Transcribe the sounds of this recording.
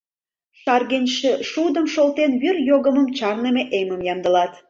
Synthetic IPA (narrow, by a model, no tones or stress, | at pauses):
ʃɑrɣenʃeʃud̪əmʃolt̪enβyrjoɣəməmt͡ɕɑrnemeʔeməmjɑmd̪ə̆lɑt̪